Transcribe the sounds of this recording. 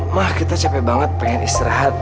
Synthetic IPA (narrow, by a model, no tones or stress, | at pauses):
mahkit̪at͡ʃapɛbaŋət̪̚pəŋanist̪iɾaɦat̪̚